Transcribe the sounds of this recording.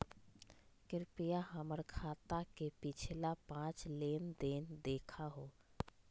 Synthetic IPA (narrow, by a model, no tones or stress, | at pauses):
kɪɾpiɪjaɦəməɾkʰaːt̪akepɪt͡ʃʰlapãːt͡ʃleːnd̪eːnd̪eːkʰaɦoː